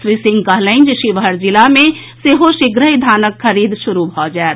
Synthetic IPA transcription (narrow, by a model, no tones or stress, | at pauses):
sɾisɪ̃ŋɡkəɦləɪnd͡ʒeʃiʋəɾd͡ʒilamẽ | seɦoʃɪɡɾəɦid̪ʱaːnəkʰːəɾiːd̪ʃuɾubʱɔd͡ʒaɛt̪